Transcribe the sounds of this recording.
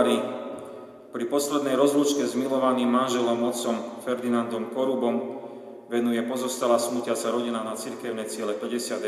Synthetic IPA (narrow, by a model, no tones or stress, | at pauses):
ɾi | pɾipɔslɛd̪nɛjɾɔzlut͡ʃkɛzmilɔʋaniːmːanʒɛlɔmɔt̪t͡sɔmfɛɾd̪inand̪ɔmkɔɾubɔm | ʋɛnujɛpɔzɔst̪alaːsmucɪasaɾɔɟinanat͡siɾkɛʊnɛt͡sɪɛlɛpɛɟɛsɪad̪